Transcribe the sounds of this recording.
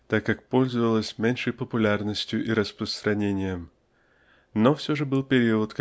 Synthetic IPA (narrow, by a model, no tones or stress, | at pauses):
t̪akːak̚po̞lʲzəvəlˠəsʲmʲenʲʂəjpəpʊlʲarnəsʲtʲjʊʔiɾəspɾəst̪ɾʔɐnʲenʲɪjəm | nofsʲɵʐɨbɨlˠpʲɪɾʲiʊt̪k